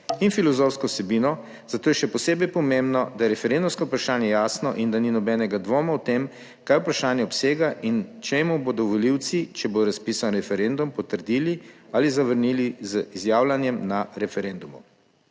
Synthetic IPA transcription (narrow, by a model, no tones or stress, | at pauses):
infilɔzofskɔwsɛbiːnɔ | zat̪oːjɛʃɛpɔseːbɛjpɔmembnɔd̪ajɛɾɛfɛɾend̪umskɔupɾaʃaːnjɛjaːsnɔʔind̪aninɔbɛːnɛɡad̪ʋoːmawt̪em | kajupɾaʃaːnjɛɔpseːɡaʔint͡ʃemubod̪ɔʋɔliw̪sit͡ʃɛbod̪ɔɾaspiːsanɾɛfɛɾend̪umpɔt̪əɾd̪iːliaːlizaʋəɾnilizəizjaːwlanjɛmnaɾɛfɛɾend̪umṵ